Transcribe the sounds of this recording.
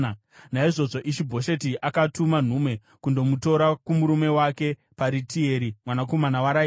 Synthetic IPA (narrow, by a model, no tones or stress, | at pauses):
naiʐo̞ʐo̞ʔiʃibʱo̞ʃe̞tiʔakatuman̤umwe̞ | kundo̞muto̞ɾakumuɾume̞wake̞ | paɾitie̞ːɾimwanako̞manawaɾai